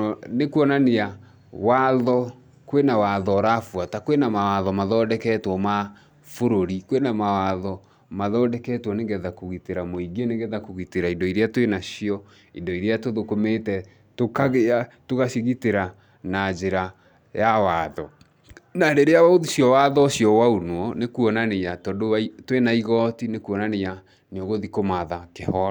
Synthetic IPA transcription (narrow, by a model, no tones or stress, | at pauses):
nekuɔnanea | waðɔ | kwenawaðɔɾafwatakwenamawaðɔmaðɔdɛkɛtwɔma | foɾoɾikwenamawaðɔ | maðɔːdɛkɛtwɔneɡɛðakoɣiteɾamoiɡeneŋɡɛðakoɣiteɾaindɔiɾeatwenaɕiɔ | indɔiɾeatoðokometɛ | tokaɣeatoɣaʃiɣiteɾa | nad͡ʒeɾa | jawaːðɔ | nadeɾeaoðiɕjɔwaðɔɕjɔwaonwɔnekuɔnanejatɔdoatwenaiɣɔtinekuɔnaneja | neoɣoðikomaðakehɔ